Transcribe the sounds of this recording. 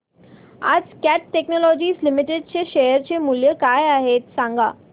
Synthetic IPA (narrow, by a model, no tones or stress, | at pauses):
a̰d͡zkæʈʈeknɔlɔd͡ʑiːslimiʈeɖ̚t͡ɕeʃejəɾt͡ɕemuljəkajaɦet̪sãŋɡa̰